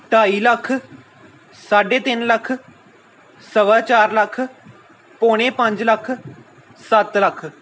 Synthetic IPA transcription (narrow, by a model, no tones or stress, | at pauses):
ʈaːiːləkʰː | saːɖeːt̪ɪnləkʰ | səʋaːt͡ʃaːɾləkʰ | poːɽ̃ẽːpə̃ɲd͡ʒləkʰ | sət̪ləkʰ